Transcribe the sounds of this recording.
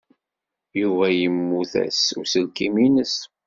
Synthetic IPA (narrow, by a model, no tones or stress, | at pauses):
juvæjəmːuθæ̰sʊɾsəlkiminəs